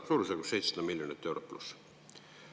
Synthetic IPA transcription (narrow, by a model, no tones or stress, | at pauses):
suːɾuseɡussejt̪sɑd̪ɑmilʲjonit̪ːˑe̞wɾopːlṵs